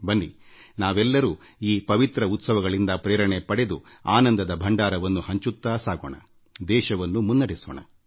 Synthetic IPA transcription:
bɐnːinaːʋɛlːɐɾuː | iːpɐʋit̪ɾɐut̪sɐʋɐɡɐɭind̪ɐpɾɛːɾɐɳepɐɽe̞d̪u | aːnɐnd̪ɐd̪ɐbʱɐɳɖaːɾɐʋɐnːuhɐɲt͡ʃut̪ːaːsaːɡoːɳɐ̰ | d̪ɛːʃɐʋɐnːumunːɐɽisoːɳɐ̰

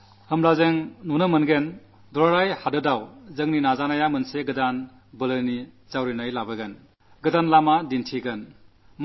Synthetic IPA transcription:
hɯmlazeŋnunəmɯnɡen | dɔɾaɾajhadɯdawzɯŋninazanajamɯnseɡɯdan | bɯlɯni | zawɾinajlabɯɡen | ɡɯdanlamadintʰiɡɐn | m

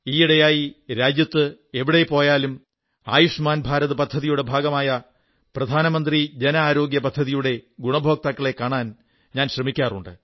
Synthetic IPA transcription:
iːiɽɐjaːjiɾaːd͡ʑjɐt̪ːɨeʋiɽe̞po̞ːjaːlum | aːjuʂmaːnbʱaːɾɐðɨpɐd̪ʱːɐðijuɽe̞bʱaːɡɐmaːjɐ | prɐd̪ʱaːnɐmɐnd̪rid͡ʑenɐaːɾo̞ːɡjɐpɐd̪ʱːɐðijuɽe̞ɡuɳɐbʱo̞ːk̚t̪ɐkːɐɭe̞kːaːɳaːn | ɲaːnɕrɐmikʲːaːruɳɖɨ

